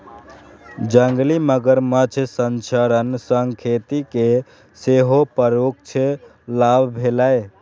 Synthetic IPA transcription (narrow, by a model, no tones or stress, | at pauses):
d͡ʒəŋɡliməɡəɾmət͡ʃʰsənt͡ʃʰəɾənsəŋkʰet̪ike | seɦopəɾuk̚t͡ʃʰe | labʱbʱelae